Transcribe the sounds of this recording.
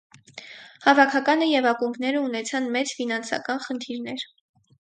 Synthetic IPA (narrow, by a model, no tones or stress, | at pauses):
hɑvɑkʰɑkɑnəjɛvɑkuŋkʰnɛɾəunɛt͡sʰɑnmɛt͡sfinɑnsɑ̰kɑnχənt̪ʰiɾnɛɾ